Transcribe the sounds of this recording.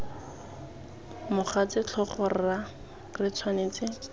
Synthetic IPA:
mʊχat͡sɪt͡ɬʰɔχʊra | rɪt͡sʰwaneːt͡sɪ

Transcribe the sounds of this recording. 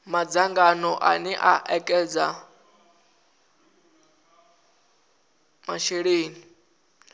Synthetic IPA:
mad͡zaŋɡanɔʔa̰nɛʔaʔɛkʼɛd͡za | maʃeɺeːni

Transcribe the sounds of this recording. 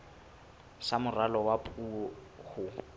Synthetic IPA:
samʊralɔwapʼuɔ | hʊ

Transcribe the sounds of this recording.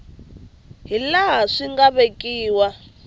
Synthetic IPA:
ɦilaɦaʂiŋɡaβekʼiːwa

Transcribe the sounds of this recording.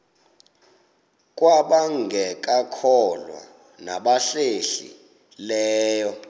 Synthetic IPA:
k̬ʼwaɓaŋɡʱɛk̬ʼakʰɔlwa̰ | naɓaɬeɬḭ | lɛːjɔ

